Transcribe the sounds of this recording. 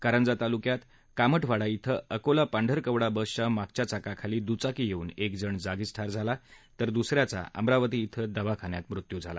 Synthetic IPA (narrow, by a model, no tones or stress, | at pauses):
kaɾənd͡zat̪alukjat̪ | kaməʈʰʋaɽait̪ʰəəkolapaɳɖʱəɾkəʋɽabəsɕamak̚t͡ɕat͡sakakʰaliːd̪ut͡sakijeuːnekd͡zəɳd͡zaɡisʈʰaɾd͡zʱalat̪əɾd̪usɾjat͡sa̰ʔə̰mɾaʋət̪̬iːt̪ʰəd̪əʋakʰaɳjat̪mɾut̪jud͡zʱala̰